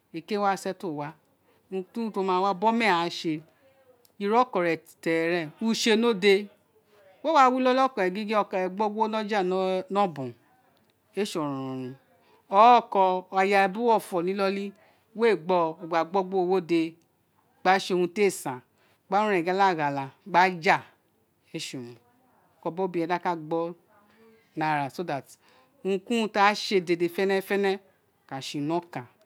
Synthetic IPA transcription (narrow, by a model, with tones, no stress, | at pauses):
e˨ke˦wa˦˨sɛ˦to˦˨wa˦ | ũ˧tũ˦to˧mãː˧wa˦bɔ˦mɛ̃˦˨a˨˦ʃe˧ | i˧ɾɔ˦kɔ˨ɾɛ˨tɛ˨ɾɛ̃˦˨u˧˦ʃe˧no˦de˧ | wo˦wa˦wi˦lɔ˦lɔ˦kɔ˨ɛ˨ɡi˦ɡi˦ɔ˧˨kɛ˨ɡ͡bɔ˦ɡ͡bo˦nɔ̃˦d͡ʒa˦˨˦nɔ̃˦bũ˨ | e˦ʃɔ˨ɾũ˨ɾũ˨ɾ̃ũ˧ | ɔ˨˦kɔ˧a˧ja˧˨bu˦ɔ˦˨fɔ˨nĩ˨˦lɔ˧li˦ | we˦˨ɡ͡bɔ˧o˨ɡ͡ba˨ɡ͡bɔ˦ɡ͡bo˦o˧wo˦de˧ | ɡ͡ba˦ʃe˧o˧hũ˧te˦˨sã˨ | ɡ͡ba˦ũ˦ɛ̃˨ɡɛ˦la˦˨ɡa˨la˧ɡ͡ba˦d͡ʒa˦˨ | e˦ʃu˨ũ˨ | kɔ˧bɔ˦bĩ˧˦ɛ̃˨da˦ka˦˨ɡ͡bɔ˦ | na˧˨ɾa˨so˦da˨t | ũ˧kũ˦ũ˧ta˦ʃe˧de˧de˧˨fɛ˦nɛ˦fɛ˦nɛ˦˨ | ka˨ʃi˧˨nɔ̃˦kã˨